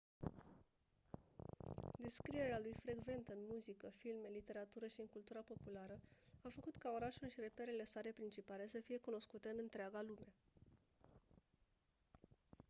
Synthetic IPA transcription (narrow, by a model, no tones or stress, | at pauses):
d̪e̞skɾije̞ɾealujfɾe̞ɡve̞nt̪əɨnmuzikəfilme̞lit̪e̞ɾat̪uɾəʃiɨŋkult̪uɾapo̞pulaɾəafəkut̪kao̞ɾaʃulʃiɾe̞pe̞ɾele̞saɾe̞pɾint͡ʃipale̞səfije̞kuno̞skut̪eɨnɨnt̪ɾeaɡalume̞